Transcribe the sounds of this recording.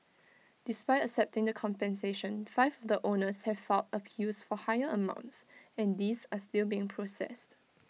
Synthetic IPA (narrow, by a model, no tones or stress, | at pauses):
d̥ispaɪtəksɛp̚tɪ̃ŋdəkʰɔ̃mpɛ̃nseʃə̃nfaɪvɔvdəʔonəshɛv̥fɛltəpʰjusfɔhaɪəəmã̰ʊ̃ntsɛ̃ndisastilbiɪ̃ŋpʰɹosɛ̰st